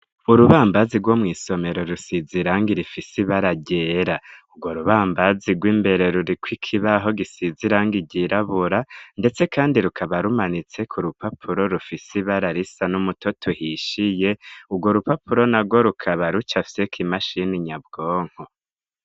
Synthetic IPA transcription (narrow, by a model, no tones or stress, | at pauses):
uɾuβaːmbaziɡwo̞mŋiːso̞me̞ɾo̞ɾusiziɾaːŋɡiɾifisiβaɾaɟeːɾaubɡwo̞ɾuβaːmbaziɡwiːmbe̞ɾe̞ɾuɾikʰwikʰiβaɦo̞ɡisiziɾaŋɡiɟiɾaβuɾande̞t͡se̞kaːndiɾukʰaβaɾumanit͡se̞kʰuɾupʰapʰuɾo̞ɾufisiβaɾaɾisanumutʰo̞tʰuhiʃije̞uɡwo̞ɾupapuɾo̞naɡɡwo̞ɾukʰaβaɾut͡ʃafi̥sekʰimaʃiniɲab̚ɡ̥oːŋ̥ho